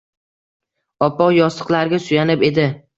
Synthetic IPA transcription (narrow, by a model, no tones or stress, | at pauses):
ɒpːɒjɒst̪ɨ̥qlˠaɾɡʲasʊjanɪpe̞d̪ɪ